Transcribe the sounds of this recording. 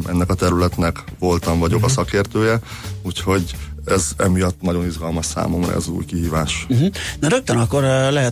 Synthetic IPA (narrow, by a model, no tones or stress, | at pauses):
ʔɛnːɛkɒt̪ɛɾylɛt̪nɛkʋo̞lt̪ɒɱvɒɟo̞kɒsɒkeːrt̪øːjɛ | uːcho̞ɟɛzɛ̰mijɒt̪ːnɒɟo̞niʒɡɒlmɒʃsa̰ːmo̞mrɒ̰ɛ̰zṵːjkiɦiːvaːʃ̩ɦ̩nɒɾøk̚t̪ønɒkːoɾlɛɦɛ